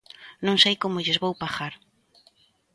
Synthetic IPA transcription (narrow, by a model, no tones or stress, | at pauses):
nõŋsejkomʊʎezβowpaxaɾ